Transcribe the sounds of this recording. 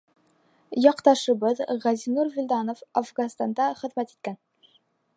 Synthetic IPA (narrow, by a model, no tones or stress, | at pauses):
jɒqt̪ɑʃɤ̆bɤðʁæzinuɾvʲilʲd̪ɑnofafɡɑnst̪ɑnd̪ɑχɘ̆ðmæt̪i̥t̪̚kæn